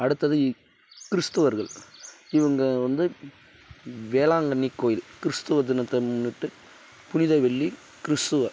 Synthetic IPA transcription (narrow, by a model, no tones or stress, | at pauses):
ɐɽɯt̪ːɐðɯ | kɪɾɯst̪ɯʋɐɾɣɐɭɪʋɐŋɡɐʋɐnd̪ɯ | ʋeːlaːŋɡɐnːikːoːjɪlkɪɾst̪ɯʋɐd̪ɪnɐt̪ːɐɪmʊnːɪʈːɯ | pʊnɪðɐɪʋɛɭːi | kɪɾɪst̪ɯʋɐ